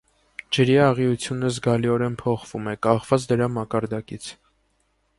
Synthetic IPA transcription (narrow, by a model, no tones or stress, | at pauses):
d͡ʒəɾiɑʁiut͡sʰjunəzɡɑliɔɾɛnpʰɔχv̥umɛkɑχv̥ɑt͡sd̪əɾɑmɑkɑɾd̪ɑkit͡sʰ